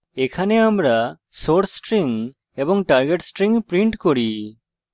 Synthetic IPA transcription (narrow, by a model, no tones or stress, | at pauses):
ɛkʰanɛamɾa | soʈsʈɾiŋ | ebɔŋʈaɾɡeʈsʈɾiŋpɾiɳʈkɔɾi